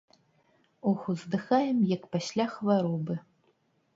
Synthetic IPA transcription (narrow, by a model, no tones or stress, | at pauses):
ɔxuzd̪ɨxajɛmjakpasʲlʲaxvaɾɔbɨ